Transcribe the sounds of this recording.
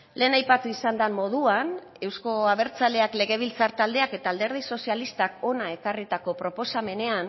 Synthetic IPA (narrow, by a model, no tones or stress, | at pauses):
le̞ːnajpat̪uisand̪amːo̞ð̞uan | e̞wsko̞aβe̞ɾt͡sale̞akle̞ɣe̞β̞ilt͡saɾt̪ald̪e̞ake̞t̪aːld̪e̞ɾð̞iso̞sialist̪ako̞nae̞karit̪ako̞pɾo̞po̞same̞ne̞an